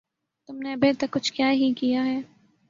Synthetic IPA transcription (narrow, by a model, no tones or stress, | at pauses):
t̪ʊmneɐbeːt̪ɐɾkʊt͡ʃʰkjaːɦikijaɦɛː